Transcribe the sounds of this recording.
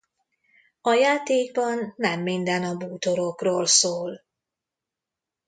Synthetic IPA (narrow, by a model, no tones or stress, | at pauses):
ɒjaːt̪eːɡ̚bɒnːɛmːind̪ɛnɒbuːt̪o̞ɾokroːlsoːl